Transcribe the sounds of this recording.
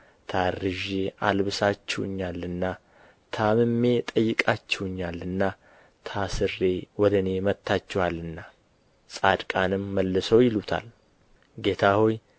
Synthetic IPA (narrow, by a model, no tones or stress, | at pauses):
t̪ʰarɨʒealβɨsat͡ʃːɛwɨɲːalːɨnːa | t̪ʰamɨmːe̞t̪ʼəjːɪkʼat͡ʃːɛwɨɲːalːɨnːa | t̪ʰasɨrːe̞wɔd̪əne̞mət̪ʰːat͡ʃːɛwalːɨnːa | sʼad̪kʼanɨmːəlːɨsəwjɪlut̪ʰa̰l | ɡe̞t̪ʰahoj